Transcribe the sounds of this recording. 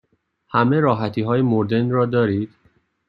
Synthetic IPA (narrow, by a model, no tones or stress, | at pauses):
hæme̞ɾɒːɦæt̪ʰiːɦɒːjemoɾd̪e̞nɾɒːd̪ɒːɾiːd̪̥